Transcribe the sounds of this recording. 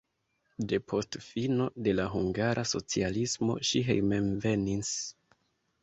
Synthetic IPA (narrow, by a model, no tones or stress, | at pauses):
de̞pʰo̞stfino̞de̞laɦuŋɡaɾʔaso̞̰t͡sialismo̞̰ʃiɦḛjmenve̞nis